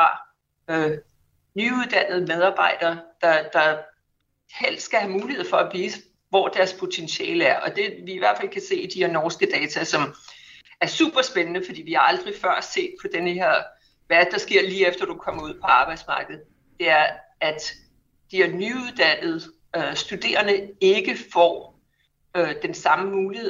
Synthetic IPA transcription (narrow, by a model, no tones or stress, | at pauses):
ɑ̈ | nyuðˠd̥æn̰ð̩ˠmeð̞ˠɑ̈ːb̥ɑ̈ɪ̰d̥ɐːd̥ɑ̈d̥ɑ̈ | hel̰d̥sɡ̥æhæmuːlihe̝ð̞̰ˠfɒ̽æʋiːsə | ʋɒ̰ːd̥æɐspʰo̝t͡sʰenɕɛ̰ːləæɐʔɒ̽d̥e̝ʋiːʋæɐ̰̥fæl̰kʰæse̝̰ːid̥ihe̝ɐ̰nɒːsɡ̥əd̥ɛːt͡sʰæsɒ̽m | æɐsṵb̥ɐsb̥enənəfɒd̥ḭːʋihɑ̈ɑ̈ld̥ʁifɶɐ̰sd̥se̝̰ːd̥̚pʰɒ̽d̥enheɐ̰ | ʋæɐ̥d̥ɑ̈sɡ̥e̝ɐ̰liːefd̥ɐd̥ukʰɒ̽m̰ɐuð̰ˠpʰɒ̽ɑ̈ːb̥ɑ̈ɪd̥smɑ̈ːɡ̥ð̞̩ˠ | d̥e̝æɐæd̥ | d̥iænyuðˠd̥æn̰ð̞̩ˠ | øsd̥ud̥e̝̰ːɐnəe̝ɡ̥əfɒ̰ | ød̥ensɑ̈məmuːlihe̝